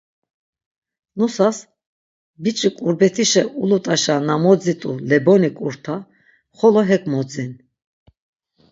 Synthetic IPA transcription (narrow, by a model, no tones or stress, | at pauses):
nusas | bit͡ʃʼikʼuɾbɛt̪ʰiʃɛulut̪ʼaʃanamɔd͡zit̪ʼṵlɛbɔnikʼuɾt̪ʰa | χɔlɔɦɛkʼmɔd͡zin